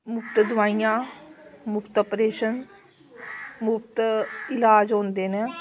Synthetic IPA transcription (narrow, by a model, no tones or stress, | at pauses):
mʊpt̪d̪ʋaːijãːmʊpʰt̪ɔːpɾeːʃən | mʊpʰt̪ɪlaːd͡ʒɦõːnd̪eːnɛ̃ː